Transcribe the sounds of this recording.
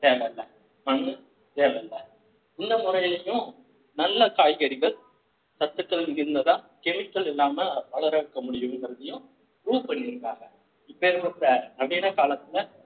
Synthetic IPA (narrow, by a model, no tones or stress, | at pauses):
t̪eːllːɐ | mɐŋɡɯ | t̪eːlɐlːɐ | ɪnːɐmʊɾɐjɐjʊ̃ | nɐlːɐkaːjɣɐɽɪɣɐɭ | sɐt̪ːɯkːɐɭnŋɡɪɾɯnd̪ɐt̪ãː | kɛmɪkːɐɭɛlːaːmɐʋɐɭɐɾɐʋɯkːɐmʊɽɪjɯmɪŋɡɪɾɐðɐjʊ̃ | ɾuːʋpɐɳːɪɾɯkːaːɣɐ | ɪpːɐɾɯmɐɐɐʋeːnɐkaːlɐt̪ːɪlɐ